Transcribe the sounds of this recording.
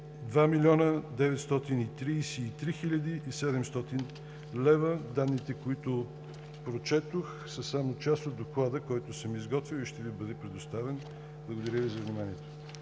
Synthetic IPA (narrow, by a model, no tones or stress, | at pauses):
d̪vamilʲɔnəd̪ɛvɛt̪st̪ɔt̪init̪ɾiːsiːt̪ɾixilʲɐd̪iʔːsɛd̪ɛmst̪ɔt̪in | lɛvəd̪ad̪ːit̪ɛkoit̪ʊ | pɾot͡ʃɛt̪ox | səsamot̪̚t͡ʃast̪od̪oklˠad̪əkɔjt̪ʊsəmizɡɔt̪vilˠiʃt̪ɛvibɤd̪ɛpɾɛd̪ost̪avɛn | blˠəɡod̪ɐɾʲjəvizɐvnimaniɛt̪o̥